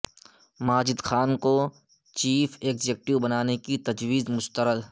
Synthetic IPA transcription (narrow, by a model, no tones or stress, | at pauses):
maːd͡ʒɪd̪xaːnko | t͡ʃiːfʰeːkd͡ʒeːk̚ʈiubɐnaːnekit̪ɐd͡ʒwiːzmʊst̪əɾəd̪